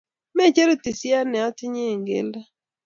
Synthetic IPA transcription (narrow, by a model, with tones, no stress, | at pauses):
mɛ˦˨t͡ʃe˦ɾu˦ti˨sja˦nɛ˨ɔ˦tɪ˦ɲe˦˨ŋɡḛ˦la˦